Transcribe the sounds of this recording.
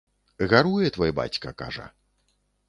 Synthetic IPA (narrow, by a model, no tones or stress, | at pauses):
ɣaɾujɛt̪vɔjba̰t͡sʲkɐka̰ʐɐ̰